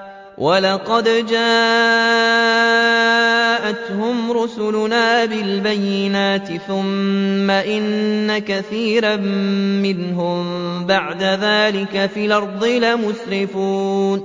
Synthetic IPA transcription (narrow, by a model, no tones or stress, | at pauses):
wʔɑlɑqɑd̪d͡ʒaː | ʔat̪hʊmɾʊsʊlʊnaːbɪlbajːɪnaːt̪ɪθʊmːaʔɪnːakaθiːɾammɪnɦʊmbaʕd̪aðaːlɪkafiːlɑɾˤd̪ˤɪlamʊsɾɪfuːn